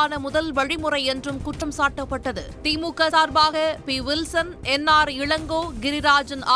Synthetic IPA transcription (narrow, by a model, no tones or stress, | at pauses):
nɐmʊðɐlʋɐɻɪmɯrɐɪɛndrɯmkʊʈrɐmsaːʈːɐpːɐʈːɐðɯ̰t̪iːmuːkːɐsaːɾbaːɣɐpiːʋɪlsɐn | ɛnːaːɾɪɻɐŋɡoːɡɪɾɪɾaːd͡ʒɐnaː